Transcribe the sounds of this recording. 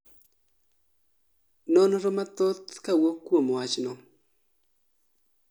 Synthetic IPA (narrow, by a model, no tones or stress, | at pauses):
nɔnɔɾɔmat̪ɔt̪kawokːwomwat͡ʃnɔ